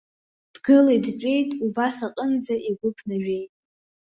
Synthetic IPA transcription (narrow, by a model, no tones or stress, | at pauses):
d̥ɡɨladt͡ʃʷʼe̞jtʼubasaqʼənd͡zaʔiɡʷʊpʰnaʒᶣe̞jtʼ